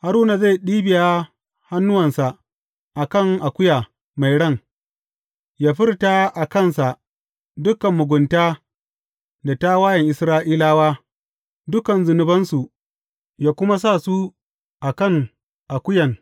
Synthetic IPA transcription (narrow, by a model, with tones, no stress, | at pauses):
ha˨ɾuː˦na˨za˦˨jɗiː˦bɪ˨ja˦ | ha˦nːʊ˦wɐ˨nsa˨ | ʔa˨kɐ˦˨ŋʔa˨kʷʊ˦jaː˨ | ma˨jɽɐ˦˨ŋ | jaː˦ɸɪ˦rtaː˦ʔa˨kɐ˦˨nsa˨ʔ | dʊ˦kɐ˨mːʊ˨ɡʷʊ˨ntaː˦ | da˨ta˦waː˦jɐ˨ŋʔɪ˨sɾaː˦ʔiː˦laː˦waː˦ | dʊ˦kɐ˨nzʊ˨nʊ˦bɐ˦nsu˨ | jaː˦kʷʊ˦ma˦s̬a˦˨su˦ | ʔa˨kɐ˦˨ŋ | ʔa˨kʷʊ˦jɐ˨ŋ